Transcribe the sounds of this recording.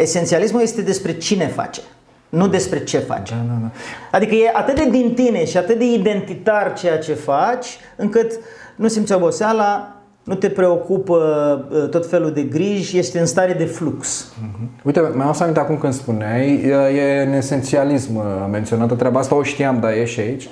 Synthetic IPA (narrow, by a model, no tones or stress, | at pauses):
e̞se̞nt̪sialismuje̞st̪e̞d̪e̞spɾe̞t͡ʃine̞fa̰t͡ʃe̥ | nud̪e̞spɾe̞t͡ʃe̞fa̰t͡ʃd̪aaad̪ikəje̞ʔat̪ɨt̪̚d̪ed̪int̪ine̞ʃiat̪ɨt̪̚d̪e̞id̪e̞nt̪it̪art͡ʃe̞jat͡ʃe̞fat͡ʃʲ | ɨŋkɨt̪ | nusimt̪sʲobo̞seala | nut̪e̞pɾe̞o̞kupət̪o̞t̪fe̞lud̪e̞ɡɾiʒʲje̞ʃt̪eɨnst̪aɾed̪e̞fluks̩ | ujt̪emaosamint̪eakumkɨnd̪spuneajjeune̞se̞nt̪sialismment̪sio̞nat̪ət̪ɾʲabaast̪aoʃt̪iamd̪aje̞ʃait͡ʃʲ